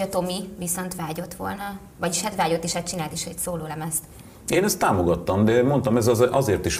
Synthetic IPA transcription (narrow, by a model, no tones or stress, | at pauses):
ɒt̪o̞miviso̞nt̪ʋaːɟo̞t̪ʋo̞̰lnɒ | vɒɟiʃhɛt̪ʋaːɟot̪ːiʃhɛt̪t͡ʃinaːlt̪iʃhocsoːloːlɛmɛst̪ | eːnɛst̪ːaːmoɡɒt̪ːɒmd̪ɛmo̞nt̪ɒmɛzɒzʔɒzeːrt̪iʃ